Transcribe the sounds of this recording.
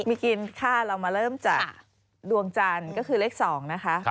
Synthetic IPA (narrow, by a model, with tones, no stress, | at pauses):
miː˧ki˧nkʰaː˥˩ɾa˧wmaː˧ɾɤː˥˩mt͡ɕa˨˩k̚ | du˧əŋt͡ɕaː˧nkɔː˥˩kʰɯː˧le˦˥k̚sɔː˩˦ŋna˦˥kʰa˦˥ʔ